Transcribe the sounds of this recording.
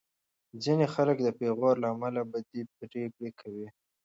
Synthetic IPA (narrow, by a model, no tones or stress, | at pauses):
d͡zinexaləkd̪əpeɣɑɾlaːmalabad̪ip̚ɾekɽekʰawi